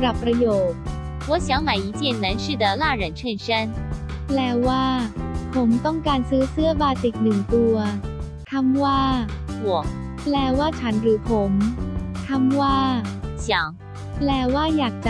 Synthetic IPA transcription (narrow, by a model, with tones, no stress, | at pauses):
ɾa˨˩pːɾa˧joː˨˩t̪̚ | wɔ˧˦ɕjɑ˧˥ŋma˨˩ɪi˧˥t͡ɕjɛ˥˩nːə˧˥nʂɻ̩˥˩d̪ə˩la˥˩ɻə˧˥nʈ͡ʂʰə˥˩nʂə˥nplɛː˧˩waː˥˩pʰo˨˩˦mt̪ɔ˥˩ŋkaː˧nsɯː˦˥sɯː˥əbaː˧si˨˩k̪̚nɯ˨˩ŋt̪u˧ɐ | k̪ʰa˧˥mwaː˥˩wwɔ˨˩˦ | plɛː˧˩waː˥˩t͡ɕʰa˦˥nɾɯː˩˦pʰo˩˦mk̪ʰa˥˩mwaː˥˩ɕjɑ˨˩˦ŋ | plɛː˨˧˩waː˥˩jaː˨˩k̚t͡ɕa˧